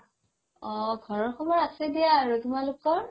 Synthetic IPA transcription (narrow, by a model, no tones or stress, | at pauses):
ɔɡʱɔɹɔɹkʰɔmɔɹasɛdijaːɹutumalʊkɔɹ